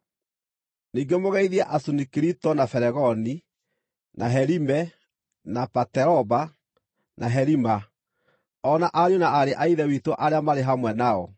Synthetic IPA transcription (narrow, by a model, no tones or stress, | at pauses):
niːɡemoɣɛiðiaʔasunikiɾitɔnafɛɾɛɣɔni | nʔaɦɛɾimɛ | napatɛɾɔba | nʔaɦɛɾima | ɔnaʔaɾjonaaɾeʔaiðɛwitoʔaɾeamaɾeɦamwɛnaɔ